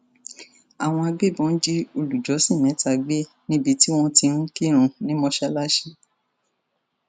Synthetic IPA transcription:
a˨w̃ɔ̃˧a˧ɡ͡be˦˨bɔ̃˨˦n̩˦d͡ʒi˦o˧lu˨d͡ʒɔ˨˦sĩ˦˨mɛ̃˨˦ta˧ɡ͡be˦ | nĩ˦bi˧ti˦w̃ɔ̃˦ti˧ñ̩˦ki˦˨ɾ̃ũ˧nĩ˦mɔ̃˧ʃɛ˦la˦ʃe˧

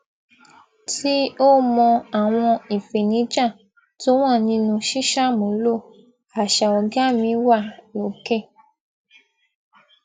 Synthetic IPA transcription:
tʰi˦o˦mɔ̃˧a˨w̃ɔ̃˧i˨fe˨nĩ˨˦d͡ʒã˦˨ | to˦w̃ã˦˨nĩ˧˦nũ˧ʃi˦ʃa˦˨mõ˨lo˦˨ | a˨ʃa˨ɔ˨ɡa˦mĩ˧˦wa˦˨lo˨ke˦˨

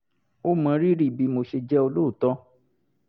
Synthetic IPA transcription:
o˦mã˨˦ɾi˦ɾi˦˨bi˧˨mo˧ʃe˧d͡ʒɛ˦o˧lo˦u˨tɔ˧˦

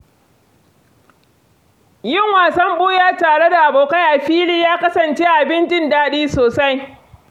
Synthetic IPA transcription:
jɪ˦˨ŋwaː˨sɐ˦mɓʊː˦jaː˦˨taː˨ɽe˦da˨ʔa˨boː˨ka˦jʔa˨ɸiː˦liː˦jaː˦kɐ˦sɐ˨nt͡ʃeː˦ʔa˨bɪ˦nt͡ʃɪ˦ndaː˦ɗiː˦soː˨sa˦j

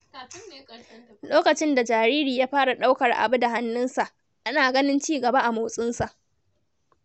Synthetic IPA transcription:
loː˦kɐ˨t͡ʃɪ˦nda˨d͡ʒaː˨ɾiː˦ɾiː˨jaː˦ɸaː˦ɽa˨ɗa˦wkɐ˨rʔa̰˨bu˦da˨ɦa˦nːʊ˦nsa˨ʔ | ʔa˦naː˨ɡɐ˦nɪ˦nt͡ʃiː˦ɡɐ˨ba˦ʔa˨moː˨sʼɪ˦nsa˨ʔ

